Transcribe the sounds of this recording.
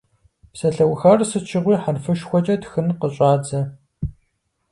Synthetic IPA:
psɐɬɐwxɐrsɨt͡ʃʰɪʁʷiːħarfɨʃxʷɔt͡ʃʼɐtxɨnqəɕʼaːd͡zɐ

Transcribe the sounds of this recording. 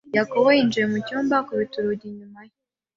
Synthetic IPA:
jakoβojind͡ʒijemucuːmbakoβituɾuɟiɲumaje

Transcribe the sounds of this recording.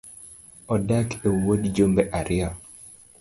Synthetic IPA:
ɔdakewodd͡ʒombeʔaɾɪɔ

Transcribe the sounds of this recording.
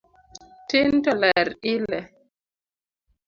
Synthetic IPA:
tintɔlɛɾilɛ

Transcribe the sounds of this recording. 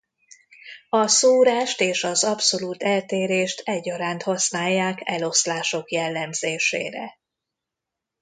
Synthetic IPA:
ɒsoːɾaːʃt̪eːʃɒzɒpso̞luːt̪ɛlt̪eːɾeːʃt̪ʰɛɟːɒɾaːnt̪hɒsnaːjːaːkɛlo̞slaːʃo̞kjɛlːɛmzeːʃḛːɾɛ̰

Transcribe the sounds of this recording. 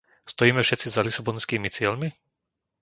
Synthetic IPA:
st̪ɔjiːmɛfʃɛt̪t͡sizalisabɔnskiːmit͡sɪɛlmi

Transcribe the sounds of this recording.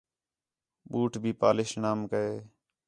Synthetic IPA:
ɓuːʈʰbʱiːpa̰ːlɪʃnaːmkəeː

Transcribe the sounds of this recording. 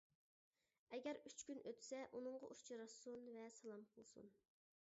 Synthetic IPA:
ɛɡʲɛɾyt͡ʃkʲynʔøt̪ʰsɛʔunɨɴʁɑ̰ʔut͡ʃʰɑɾɑsunvɛsɑlˠɑmqʰəlˠsṵn

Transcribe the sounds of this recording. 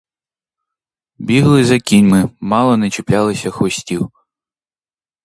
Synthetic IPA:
bʲiɦlˠɪzɐkʲinʲmɪmɑlˠɔnɛt͡ʃeplʲalˠɪsʲɐxɔsʲtʲiw

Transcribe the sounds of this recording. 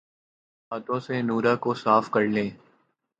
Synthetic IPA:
haːt̪õːsenuːɾaːkosaːfkəɾlẽː

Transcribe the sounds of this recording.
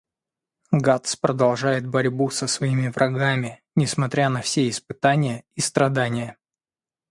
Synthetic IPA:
ɡat̪spɾəd̪ɐlˠʐajɪt̪̚bɐɾʲbusəsvɐimʲɪvɾʔɐɡamʲɪ | nʲɪsmɐt̪ɾʲanɐfsʲeɪspɨt̪anʲɪjəist̪ɾɐd̪anʲɪjə

